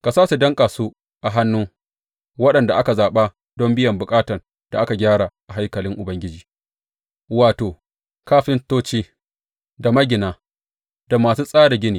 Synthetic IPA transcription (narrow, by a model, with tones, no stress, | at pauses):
ka˨saː˦su˨dɐ˦ŋkʼaː˨su˦ | ʔa˨ɦa˦nːuː˦ | wɐ˦ɗɐ˨nda˨ʔa˦ka˨zaː˨ɓa˦ | dɔ˦mbɪ˦jɐ˨mbʊ˨kʼaː˦tɐ˨r | d̥a˨ʔa˦ka˨ɡʲaː˦ɽaː˨ʔa˨ɦa˦jkɐ˨lɪ˦ŋʔʊ˨bɐ˦ŋɡʲɪ˦d͡ʒiː˨ | waː˨toː˨ | kaː˦ɸɪ˦ntoː˦t͡ʃiː˦ | da˨mɐ˦ɡʲɪ˨naː˨ | d̥a˨maː˨suː˦sʼaː˦da˨ɡʲɪ˦niː˨